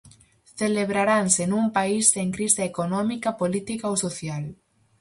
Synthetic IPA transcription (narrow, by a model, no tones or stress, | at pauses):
θeleβɾaɾansenumpaisðeŋkɾist̪aekonɔmikapolit̪ikaowsoθjal